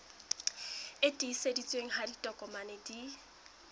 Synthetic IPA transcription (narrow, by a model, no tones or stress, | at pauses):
ɪtʼisedit͡sʼweŋ̩haditʼɔkʼɔmanedi